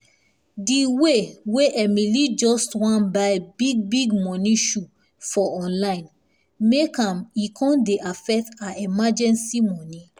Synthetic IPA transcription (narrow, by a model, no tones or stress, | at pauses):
diweweʔɛmilid͡ʒɔstwãnbabiɡ̚biɡmɔ̃nĩʃu | fɔɔ̃nlãɪ̃n | mekãmikʰɔ̃ndeʔafɛk̚taimad͡ʒɛ̃nsimɔ̃nĩ